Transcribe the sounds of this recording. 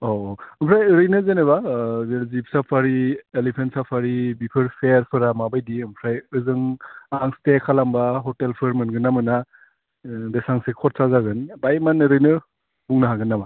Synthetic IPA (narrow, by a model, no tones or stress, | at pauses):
oɯmpʰɾajɾɯjnɯzeneβabelzip̚sapʰaɾielipʰentsapʰaɾibipʰɯɾpʰeɾpʰɯɾamabajdiɯmpʰɾajɯzɯŋaŋstekʰalambaɦɔtelpʰɯɾmɯnɡɯnːamɯna | desaŋsekʰɔt̚sazaɡɯnbajmanɯɾɯjnɯ | buŋnɯɦaɡɯnːaba